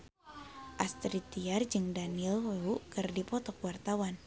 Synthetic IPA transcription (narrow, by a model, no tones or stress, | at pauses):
ʔast̪ɾit̪iard͡ʒɨŋdanilɾukɨrdipɔt̪ɔkuwart̪awan